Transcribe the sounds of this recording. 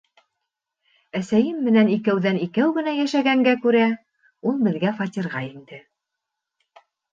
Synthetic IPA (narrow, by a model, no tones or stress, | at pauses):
æsæjɘmːɘ̆nænikæwðænikæwɡɘ̆næjæʃæɡæŋɡækʉɾæ | ulˠbɘ̆ðɡæfɑt̪ʲiɾʁɑind̪ɘ